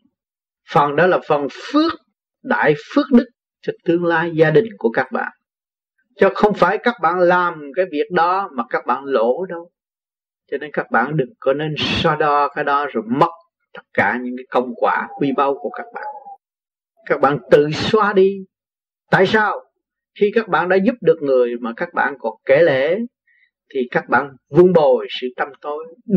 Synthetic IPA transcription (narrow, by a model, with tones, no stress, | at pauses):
fə˨˩nɗɔ˨˦laː˨˩fə˨˩nfɨ˦˥ək̚ | ɗa̰ː˧˨jfɨ˦˥ək̚ɗɨ˦˥k̚ | t͡ɕɔ˧t̪ɨ˧əŋlaː˧jzaː˧ɗï˨˩ŋ̟ku˧˩əkaː˦˥k̚ɓa̰ː˧˨n | t͡ɕɔ˧xə˧wŋ͡mfaː˧˩jkaː˦˥k̚ɓa̰ː˧˨nlaː˨˩mkaː˨˦jvi˨˩ək̚ɗɔ˨˦maː˨˩kaː˦˥k̚ɓa̰ː˧˨nlo˧˩˥ɗə˧w | t͡ɕɔ˧ne˧nkaː˦˥k̚ɓa̰ː˧˨nɗɨ˨˩ŋkɔ˨˦ne˧nswaː˧ɗɔ˧kaː˨˦jɗɔ˨˦zo˨˩jmə˦˥t̚ | t̪ə˦˥t̚kaː˧˩ɲɨ̰˧˥ŋkaː˨˦jkə̰˧˩wŋ͡mkwaː˧˩kwi˧ɓə˧wku˧˩əkaː˦˥k̚ɓa̰ː˧˨n | kaː˦˥k̚ɓa̰ː˧˨nt̪ɨ̰˧˨swaː˧ɗi˧ | t̪a̰ː˧˨jsaː˧w | xi˧kaː˦˥k̚ɓa̰ː˧˨nɗa̰ː˧˥zʊ˦˥p̚ɗɨ˨˩ək̚ŋɨ˨˩əjmaː˨˩kaː˦˥k̚ɓa̰ː˧˨nkɔ˨˩nke˧˩le˧˩˨ | t̪ʰi˨˩kaː˦˥k̚ɓa̰ː˧˨nvɨ˧əŋɓo˨˩jsɨ̰˧˨t̪a˧mt̪o˧˦j